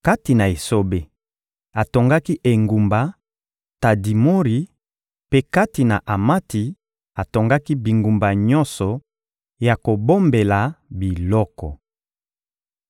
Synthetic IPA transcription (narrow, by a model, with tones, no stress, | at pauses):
ka˦ti˨na˨e˨so˦be˨ | a˨to˨ŋɡa˦ki˦ʔe˨ŋɡu˨mba˨ | ta˨di˨mo˦ʁi˨ | pe˦ka˦ti˨na˨ʔa˨ma˦ti˨ | a˨to˨ŋɡa˦ki˦bi˨ŋɡu˨mba˨ɲɔ̃˦nsɔ˨ | ja˨ko˨bo˦mbe˨la˨bi˨lɔ˦kɔ˨